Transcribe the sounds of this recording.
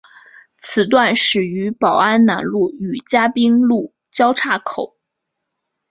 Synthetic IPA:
t͡sʰɹ̩˨˩t̪̬wa˥˩nʂɻ̩˨˩y˧˥pɑ˨˩ʊa˥nna˧˥nlu˥˩y˨˩t͡ɕja˥pi˥ŋlu˥˩ | t͡ɕjɑ˥ʊʈ͡ʂʰa˥˩kʰo˨˩˦ʊ

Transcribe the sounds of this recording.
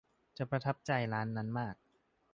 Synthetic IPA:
t͡ɕa˨˩pɾa˧t̪ʰa˦˥p̚t͡ɕa˧jɾaː˦˥nːa˦˥nmaː˥˩k̚

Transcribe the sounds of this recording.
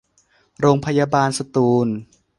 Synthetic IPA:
ɾoː˧ŋpʰa˧jaː˧baː˧nsa˧t̪uː˧n

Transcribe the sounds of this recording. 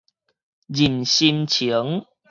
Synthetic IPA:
zi˨˩nɕi˧nt͡ɕʰi˨˦ə˦ŋ

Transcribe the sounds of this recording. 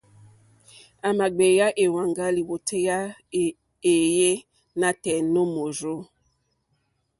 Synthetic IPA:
a˨ma˨ɡ͡be˨ja˦ʔe˨wa˨ŋɡa˦li˨wo˨tʰe˦ja˦˨ | e˨je˦ | na˦tɛ˨no˦mo˨ɾo˦

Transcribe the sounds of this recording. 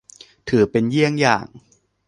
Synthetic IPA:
t̪ʰɯː˩˦pe˧nji˥˩əŋja̰ː˨˩ŋ

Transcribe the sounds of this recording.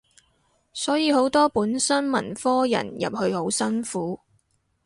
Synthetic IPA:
sɔː˨˥jiː˨˧ho˨˥wt̪ɔː˥puː˨˥nsɐ˥nmɐ̰˨˩nfɔː˥jɐ̰˨˩njɐ̰˨p̚hɵ˧ɥho˨˥wsɐ˥nfuː˨˥

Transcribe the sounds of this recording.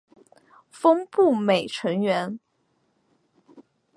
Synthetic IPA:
fɤ˥ŋpu˥˩me˨˩ɪʈ͡ʂʰɤ˧˥ŋɥɛ˧˥n

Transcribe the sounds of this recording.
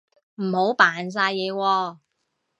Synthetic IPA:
m̩˨˩ho˨˥wpaː˨ns̬aː˧jjɛː˨˧wɔː˧

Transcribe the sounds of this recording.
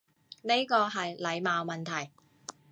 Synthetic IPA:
ne˥jkɔː˧ɦɐ˨jlɐ˨˧jmaː˨˧wmɐ˨nt̪ʰɐ˨˩j

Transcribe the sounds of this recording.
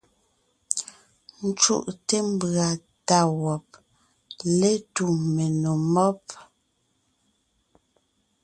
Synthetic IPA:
n̩˦t͡ʃṵ˦ʔte˦m˦˨bɰa˨ | ta˦˨wɔ˨p̚ | le˦tu˨me˨no˨mɔ˦p̚

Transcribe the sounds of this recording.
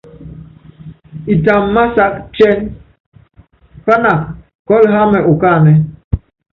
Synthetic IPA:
i˨ta˨m̩˨ma˦sa˦kt͡ʃe˦n | pa˦na˨k | kɔ˦lɦa˦me˨ʔʊ˨ka˦˨ne˦

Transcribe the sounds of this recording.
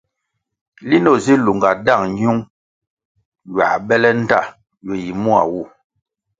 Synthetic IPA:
li˦nɔ˦˨zi˦lu˨ŋɡa˨da˦˨ŋɲu˦ŋ | ɥwa̰˨bɛ˦lɛ˦n̩˦da˦˨ | jɔ˨ji˨mu˦a̰˨wu˦˨

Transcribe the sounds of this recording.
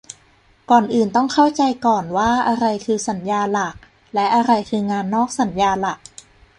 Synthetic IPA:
kɔː˨˩nʔɯː˨˩nt̪ɔ˥˩ŋkʰa˥˩wt͡ɕa˧jkɔː˨˩nwaː˥˩ʔa˧ɾa˧jkʰɯː˧sa˩˦njaː˧la˨˩k̚ | lɛ˦˥ʔa˧ɾa˧jkʰɯː˧ŋaː˧nːɔː˥˩k̚sa˩˦njaː˧la˨˩k̚

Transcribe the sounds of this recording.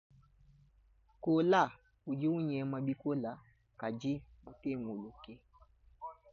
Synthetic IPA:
ko˨la˦˨ | u˨d͡ʒi˦wu˦ɲɛ˨˦ma˨ɓi˦ko˦la˨ | ka˨d͡ʒi˦ma˨ke˦˨ŋo˨lo˨ke˦

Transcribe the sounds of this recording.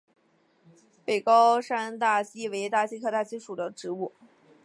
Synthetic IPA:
pe˨˩ɪkɑ˥ʊʂa˥nt̪a˥˩ɕi˥we˧˥ɪt̪a˥˩ɕi˥kʰɤ˥˧t̪a˥˩ɕi˥ʂu˨˩d̪ə˦ʈ͡ʂɻ̩˧˥u˥˩

